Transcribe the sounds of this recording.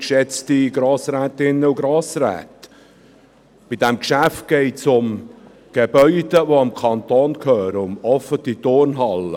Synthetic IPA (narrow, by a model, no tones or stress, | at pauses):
kʃɛt͡stiɡ̥ɾɑːsɾɛːtɪnːəuɡɾɑːsræ̰ːt | b̥id̥ɛmkʃæft̚ɡ̥ɛɪtsʊm | ɡ̥ebœʏd̥̪əvoɑmkʰɑnt̪oːnkʰœːɾəʊmɔfətit̪ʊɾnɦɑlə